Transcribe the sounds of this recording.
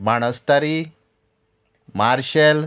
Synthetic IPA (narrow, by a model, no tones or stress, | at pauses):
maɽ̃əst̪aɾi | maɾɕəl